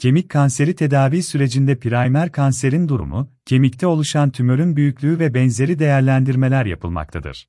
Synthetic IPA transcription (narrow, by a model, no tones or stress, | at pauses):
cʰe̞mickʰːanse̞ɾit̪ʰe̞d̪aːviːsyɾe̞d͡ʒind̪ɛpʰiɾajmæɾkʰanse̞ɾind̪uɾṵmʊ̰cʰe̞mict̪ʰɛo̞lˠuʃant̪ʰymøɾynbyjycʲlʲyːyvɛbɛnze̞ɾid̪e̞jæɾlʲænd̪iɾme̞lʲæɾja̰pʰɯlˠma̰k̚t̪ʰa̰d̪ɯ̰ɾ̥